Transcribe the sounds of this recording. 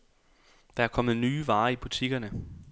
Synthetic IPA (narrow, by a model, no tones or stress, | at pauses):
d̥ɑ̈æɐkʰɒ̽mð̩ˠnyːʋɑ̈ːib̥ut͡sʰiɡ̥ɐnə